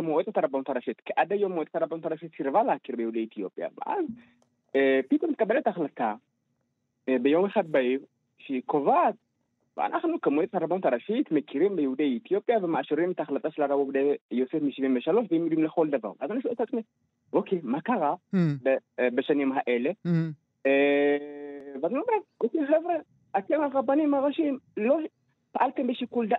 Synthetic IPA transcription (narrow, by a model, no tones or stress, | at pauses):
kamuʔet̪etaɾabanut̪aɾaʃit̪keʔad̪ajomːoet̪etaɾabanut̪aɾaʃit̪siɾvalahakiɾbejehudeit̪ijo̞̰pja̰vḛʔa̰z | pit̪omt̪e̥kabeletaːχlat̪a | bejo̞meχad̪̚baiʁ | ʃekovat̪̚ | vḛa̰nʔaχnukemuʔet̪etaɾabanut̪aɾaʃit̪mekʰiɾimbejhud̪ejit̪ijopjavemaʔaʃiɾimet̪aːχlat̪aʃelaɾabuvd̪ejosefmiʃivimbɐʃaloʃbɛjimid̪imlxold̪ɐva̰ɣ̰ʔazanuʃuʔt̪ʰat͡sʼme | ʔokʰemakaɣabbəʃɛnjomɦaʔel | vazanabɾaʔokexɛvɾɛ | ʔat̪ːemaɣabanimaɣaʃimlo | paʔalt̪ɨmbəʃikuld̪a